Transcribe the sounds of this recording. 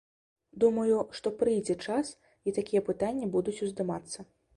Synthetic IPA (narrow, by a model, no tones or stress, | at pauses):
d̪umɐjuʂt̪ɔpɾɨjd͡zʲɛt͡ʂas | it̪akʲijɛpɨt̪anʲːɐbud̪ut͡sʲuzd̪ɨmat̪sːɐ